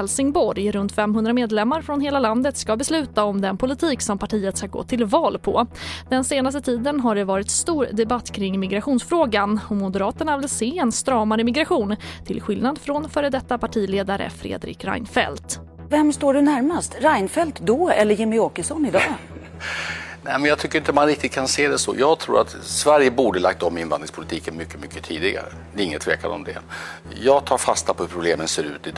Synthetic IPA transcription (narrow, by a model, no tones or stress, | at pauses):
ɛlsɪŋbɔɾjɾɵnt̪fɛmɦɵnd̪ɾameːd̪lɛmːaɾfɾɔnɦeːlaland̪ət̪skabɛslʉ̟ːt̪aɔmd̪ɛnpʰʊlɪt̪ʰiːksɔmpʰaʈʰiːət̪aɾɡɔ̰t̪ʰːɪlvɑːlpʰɔd̪̥ɛnseːnas̬t̪ət̪ʰiːd̪ənɦaɖɛvɑːɾɪt̪st̪uːɾd̪ɛbat̪ːkʰɾɪŋːmɪɡɾaɧuːnsfɾoːɡanɔmʊd̪əɾɑːt̪əɳavɪlseːɛnst̪ɾɑːmaɾəmɪɡɾaɧuːnt̪ʰɪlɧɪlnad̪fɾɔnfœːɾəd̪ɛt̪ːapʰaʈʰiːleːd̪aɾə̰fɾḛːd̪ɾɪ̰kɾa̰jnfɛ̰lt̪ | vɛmst̪oːɖɵnæɾmast̪ɾajnfɛlt̪d̪ɔɛlːəɾjɪmːɪɔkəʂɔnɪd̪ɑː | nɛɪmɛnjɑɡt̪ʰʏkːəɾɪnt̪əɔmanɾɪk̚t̪ɪt̪̚kʰanseːd̪ɛsɔ̰jɑːɡt̪ʰɾṵːɾʔa̰t̪svæɾjəbuːɖəla̰kt̪ɔmɪnvand̪ɾɪŋspʰʊlɪt̪ʰiːkənmʏkːəmʏkːət̪ʰiːd̪ɪɡa̰ɾə̰d̪ɛɾɪŋːət̪ʰvḛːka̰nɔ̰md̪ɛ̰ | jɑːɡt̪ʰɑːɾfast̪apʰɔhʉɾpʰɾʊbleːmənseːɾʉ̟ːt̪ɪd̪